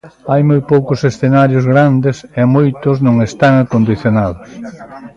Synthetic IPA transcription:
ajmojpowkʊsesθenaɾjʊzɣɾand̪esemojt̪ʊznõŋest̪aŋakond̪iθjonaðʊs

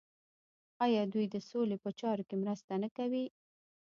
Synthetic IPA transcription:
ɑjɑd̪ujd̪əsolepət͡ʃɑɾokemɾəst̪anəkawi

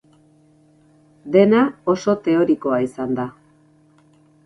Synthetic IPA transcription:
d̪e̞nao̞so̞t̪e̞o̞ɾiko̞aisand̪a

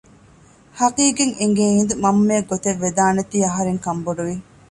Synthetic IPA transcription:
hɐqiːɡeŋeŋɡeind̪umɐmːeːɡot̪eʋːed̪aːnɐt̪iːɐɦɐɾeŋkɐmboɖuʋi

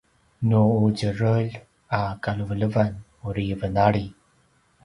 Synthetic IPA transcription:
nuud͡ʑəɾəʎ | akaluvələvan | uɾivənaɭi

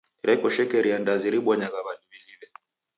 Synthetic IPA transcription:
iɾɛkɔʃɛkɛɾiandaziɾiɓwɔɲaɣaβanumililɛ

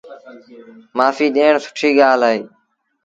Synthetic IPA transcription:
maːfiːɗeːɳsʊ̥ʈʰiːɠaːlaːeː

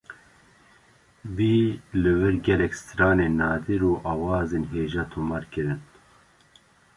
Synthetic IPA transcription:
viːlɨvɨɾɡɛlɛkst̪ɾɑːneːnɑːd̪iɾuːʔɑːwɑːzeːnɦeːʒɑːt̪ʰumɑːɾkɨɾɨn

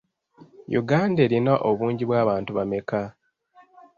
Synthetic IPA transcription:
jṵɡaːnde̞ːɾinaʔoβuːɲɟiβwaːβaːntuβame̞ka

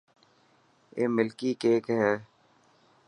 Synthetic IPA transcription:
ḛːmɪlkikeːkɦɛː

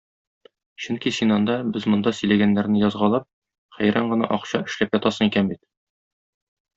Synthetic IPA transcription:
ɕɵŋkisinɒnd̪ɑbɘzmŏnd̪ɑsɵ̆jlæɡænːæɾnɘjɒzʁɑlˠɑp̚ | χæjɾɑɴɢɤ̆nɑ̰ʔɒqɕɑɘ̆ʃlæpjɒt̪ɑsɤŋikænbit̪

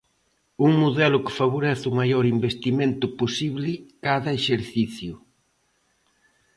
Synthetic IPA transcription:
uŋmoðɛlʊkɪ̥faβ̞oɾɛθʊmajɔɾimbest̪imẽnt̪ʊposiβlɪkaðɐeʃeɾθiθjʊ

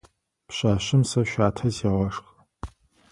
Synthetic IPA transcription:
pɕaːɕɪmsɐʃʷaːtʰɐzeʁɐʂx

